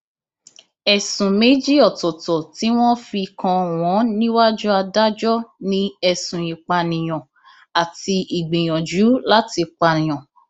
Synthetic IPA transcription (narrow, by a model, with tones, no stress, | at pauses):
ɛ˨sũ˨me˨˦d͡ʒi˦ɔ˦˨tɔ˨tɔ˨ti˨˦w̃ɔ̃˦fi˧kã˧˨w̃ɔ̃˨˦nĩ˦wa˦d͡ʒɔ˦a˧da˦d͡ʒɔ˦nĩ˦ɛ˧sũ˨i˨k͡pa˨nĩ˨j̃ɔ̃˨ | a˨ti˧i˨ɡ͡be˨j̃ɔ̃˨d͡ʒu˨˦la˦ti˧k͡pã˧˨j̃ɔ̃˨